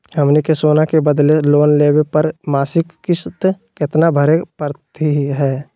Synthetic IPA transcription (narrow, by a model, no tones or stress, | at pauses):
ɦəmnikesoːnakebəd̪leloːnleːwepəɾmaːsɪkːɪst̪ | kɪt̪nabʱəɾepəɾt̪iɦɛː